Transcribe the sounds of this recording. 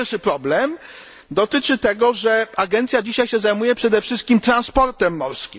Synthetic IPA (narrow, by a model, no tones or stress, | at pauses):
ɾʂɘpɾɔblɛm | d̪ɔt̪ɘt͡ʂɘt̪ɛɡɔʐɛaɡɛnt̪sʲjad͡ʑiɕajɕɛzajmujɛpʂɛd̪ɛfʂɘst̪̚kʲimt̪ɾanspɔɾt̪ɛmːɔɾskʲim